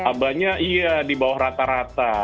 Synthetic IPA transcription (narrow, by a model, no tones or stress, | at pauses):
abaɲaʔijadibawahɾat̪aɾat̪a